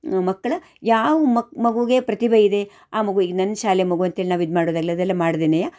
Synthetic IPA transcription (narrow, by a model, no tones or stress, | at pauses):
mɐkːɐɭɐ | jaːʋumɐmɐɡuɡe̞pɾɐt̪ibʱɐid̪e̞ | aːmɐɡuiɡnɐnːɐʃaːlemɐɡuɐnt̪ɦeɭinaːʋid̪maːɽod̪aːɡiliɐd̪ɛlːɐmaːɽd̪iːnɐjaː